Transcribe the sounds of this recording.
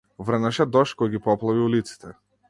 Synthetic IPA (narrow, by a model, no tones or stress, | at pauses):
vr̩naʃɛd̪ɔʃkɔjɡipɔplˠaviulit̪si̥t̪ʰɛ